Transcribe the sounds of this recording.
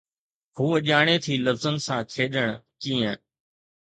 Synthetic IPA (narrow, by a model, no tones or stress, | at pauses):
ɦuːəʄaːɽ̃eːt̪ʰiːləfzənɪsãːkʰeːɗəɽ̃kiːə̃